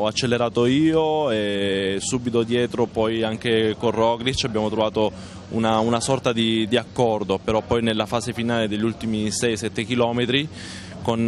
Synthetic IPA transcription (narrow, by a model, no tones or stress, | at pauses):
ɔat͡ʃːelːeɾaːt̪oiːoesuːbit̪od̪jɛːt̪ɾopɔjaŋk̟ekorːɔːɡɾit͡ʃːabːjaːmot̪ɾovaːt̪o | ṵnaunasɔrt̪ad̪id̪iakːɔrd̪opeɾɔpːɔjnelːafaːsefinaːled̪eʎːult̪imisɛjsɛt̪ːek̟ilɔːmet̪ɾi | kon